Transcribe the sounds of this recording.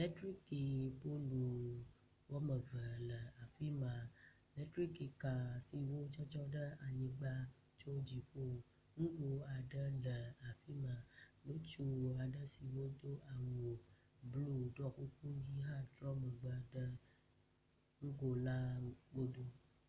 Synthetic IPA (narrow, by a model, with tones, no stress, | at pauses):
lɛ˦tɾi˦ki˨bo˦lu˨ | wɔ˦mə˨və˨lə˨a˨ɸi˦mã˨ | lɛ˦tɾi˦ki˨ka˨si˨wo˦d͡ʒɔ˦t͡ʃɔ˦ɖə˦a˨ɲĩ˨ɡ͡ba˦ | t͡ʃo˦d͡ʑi˨ɸo˦˨ | ŋũ˦ɡo˨a˨ɖə˦lə˨a˨ɸi˦mã˨lo˦t͡ʃu˦˨a˨ɖə˦si˨wo˦d̪o˦ʔa˨ŋo˨ | blu˦˨ɖɔ˦ku˦ku˦ji˦ɦã˦dɾɔ˦mə˨ɡ͡ba˨˦ɖə˦ | ŋũ˦ɡo˨la˦ɡ͡bo˦d̪o˦